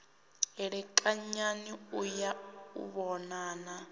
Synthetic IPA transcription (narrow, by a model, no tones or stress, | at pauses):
ɛɺɛkʼaɲaniujaṵβɔnaːna